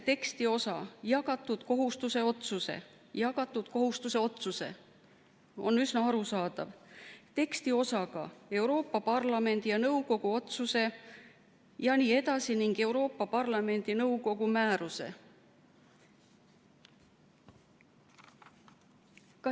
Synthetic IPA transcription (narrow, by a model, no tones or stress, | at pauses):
t̪e̞kst̪io̞sɑjɑɡ̥ɑt̪ːˑud̪̥ko̞ɦust̪use̞o̞t̪suse̞̰ | jɑɡ̥ɑt̪ːˑud̪̥ko̞ɦust̪use̞o̞t̪suse̞̰ | o̞nysnɑɑɾusɑːd̪̥ɑvt̪e̞kst̪io̞sɑɡ̥ɑ̰e̞wɾo̞ːpːˑɑpɑrlɑme̞nd̪̥ijɑnɤwko̞ɡ̥uo̞t̪suse̞ | jɑniːe̞d̪̥ɑsiniŋɡ̥e̞wɾo̞ːpːɑpɑrlɑme̞nʲd̪̥inɤuwko̞ɡ̥umæːɾuse̞̰ | kɑ